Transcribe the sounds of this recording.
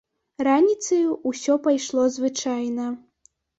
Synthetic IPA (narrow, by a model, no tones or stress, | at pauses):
ranʲit̪sɐjuːsʲɔpajʂlˠɔzvɨt͡ʂajnɐ